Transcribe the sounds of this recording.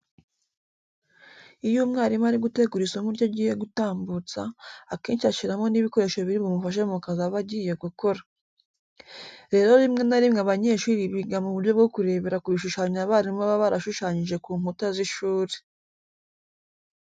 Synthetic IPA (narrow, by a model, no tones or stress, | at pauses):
ijuːmŋaːɾimaɾiɡute̞ɡuɾisumuɾɟoɟiːje̞ɡutaːmbut͡sa̰ːke̞ːnʃiaʃiɾamo̞niβiko̞ɾe̞ʃoβiɾimɡomufaʃ̬eumukazaβaɟiːje̞ɡuko̞ɾa | ɾe̞ːɾo̞ɾimŋe̞naɾimŋeaβaɲe̞ʃuːɾiβiɡamuβuɾɟo̞b̚ɡo̞kuɾe̞βe̞ɾakuβiʃuʃaːɲaβaːɾimaβaβaɾaʃuʃaːɲiʒe̞kuːmhutaziʃuːɾe